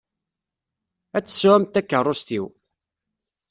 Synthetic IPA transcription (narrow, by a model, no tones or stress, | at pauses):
æt͡sːə̥sːuæmt̪ækːərˤːost̪iw